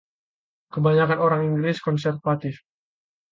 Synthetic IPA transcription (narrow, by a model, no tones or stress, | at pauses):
kəbaɲakanoɾaŋiŋɡlɪskɔnsɛrt̪̚fat̪ɪf